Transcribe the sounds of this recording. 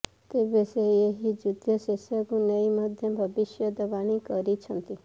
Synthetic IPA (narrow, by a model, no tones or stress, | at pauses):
t̪ebeseeɦid͡ʒʊd̪ʱjəsesjəkũnəiməd̪ʱjəbʱəbɪʃjəd̪əʋaɽ̃ikəɾit͡ʃʰənt̪i